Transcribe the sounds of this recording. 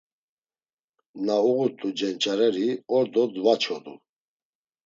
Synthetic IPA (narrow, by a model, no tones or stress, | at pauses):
nauɣut̪ʼud͡ʒɛnt͡ʃʼaɾɛɾiɔɾd̪ɔd̪vat͡ʃʰɔd̪ṵ